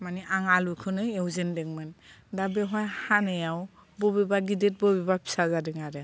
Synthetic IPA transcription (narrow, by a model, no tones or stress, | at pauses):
maniʔaŋalukʰɯnɯewzendɛŋmandabɛɦɔjhanejaw | bobebaɡidet̚bɔbɛbapʰi̥sazadɯŋaɾɛ